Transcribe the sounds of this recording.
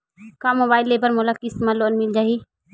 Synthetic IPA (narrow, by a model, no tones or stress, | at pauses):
kamobaːɪlːeːbəɾmolakɪsmalːoːnmɪld͡ʒaːiː